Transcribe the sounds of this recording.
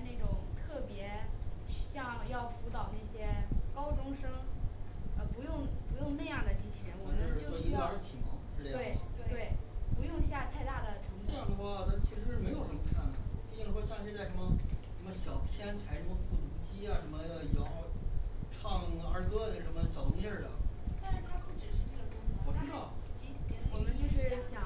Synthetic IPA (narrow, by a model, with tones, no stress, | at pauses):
ne˥˩ɪʈ͡ʂʊ˨˩ŋt̪ʰɤ˥˩pjɛ˧˥˧ | ɕjɑ˥˧ŋjɑ˥˩ʊfu˧˥t̪ɑ˨˩ʊne˥˩ɪɕjɛ˥kɑ˥ʊʈ͡ʂʊ˥ŋʂɤ˥ŋ | ə˧˩pu˧˥jʊ˥˩˧ŋpu˧˥jʊ˥˧ŋna˥˧ɪjɑ˥˩ŋd̪ə˩t͡ɕi˥t͡ɕʰi˨˩ɻə˧˥nu˧˥˩i˥˩ɑ˧˥ʂ̩˥˩t͡ɕʰi˨˩mɑ˧˥ʂ̩˥˧t̪we˥˩ɪ˥˧t̪we˥˩ɪpu˧˥jʊ˥˧ŋɕja˥˧t̪ʰa˥˧ɪt̪a˥˩d̪ə˩ʈ͡ʂʰɤ˧˥ŋna˥˧jɑ˥˩ŋd̪ə˩xwa˥˩t̪ʰa˥t͡ɕʰi˧˥ʂɻ̩˧˥ʂɻ̩˥˩me˧˥ɪo˨˩ʊʂə˧˥nmə˧t̪ʰa˧˥˩nə˨˩˨t̪i˥˩t͡ɕi˥˩nə˧˩wa˥ɕjɑ˥˧ŋ˧ɕjɛ˥t͡sa˥˩ɪʂə˧˥nmə˧ʂə˧˥mə˧ɕjɑ˨˩ʊt̪ʰjɛ˥nt͡sʰa˧˥ɪʂə˧˥nmə˧fu˥˩t̪u˧˥t͡ɕi˥a˨ʂə˧˥nmə˧˩˧jɑ˧˥ʊʈ͡ʂʰɑ˥˩ŋə˞˧˥kɤ˥də˧˥ʂə˧˥nmə˧ɕjɑ˨˩ʊʊ˧˥ŋt̪jə˥˩d̪ə̰˩t̪nʂɻ̩˥˩t̪ʰa˥pu˥˩ʈ͡ʂɻ̩˨˩ʂɻ̩˥˧ʈ͡ʂɤ˥˩ɡə˩t̪ʊ˥˨˩wɔ˨˩ʈ͡ʂ̪̩˥d̪ə˥˧˩t͡ɕi˧˥wɔ˨˩mə˦nt͡ɕjo˥˧ʊʂɻ̩˥˩ɕjɑ˨˩